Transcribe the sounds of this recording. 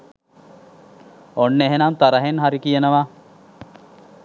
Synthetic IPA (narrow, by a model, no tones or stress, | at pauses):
onːeɦenant̪aɾɐɦenɦaɾikijenɐʋaː